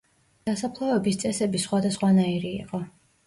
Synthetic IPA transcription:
d̪̥asapʰlˠɔɛbist̪sʼɛsɛbisχwad̪asχwanaiɾḭːqʼɔ

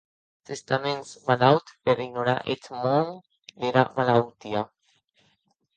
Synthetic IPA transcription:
t̪est̪amensmalawt̪peɾiɡnoɾa̰ʔet̪mon | d̪eɾamalawt̪ia

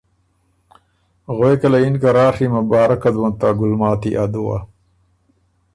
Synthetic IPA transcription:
ɣoekɐlɐinkɐɾaːʂimɐbaːɾɐkɐd̪wɐnt̪aɡulmɑːt̪iʔad̪uwa̰

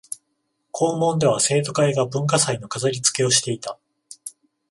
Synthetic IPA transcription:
kʰo̞ːmõ̞nd̪e̞β̞ase̞ːt̪o̞kaeɡabɯ̟̃ŋkasaino̞kazaɾʲit͡sɨ̥ke̞o̞ɕi̥t̪e̞it̪a

